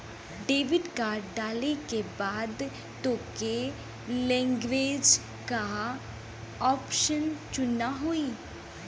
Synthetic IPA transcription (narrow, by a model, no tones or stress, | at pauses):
ɖeːʋɪɖkaːɖaːlekebaːd̪ | t̪oːke | lɛ̃ːŋɡʋeːd͡ʒ | ka | ɔːpʃənt͡ʃʊnaɦoiː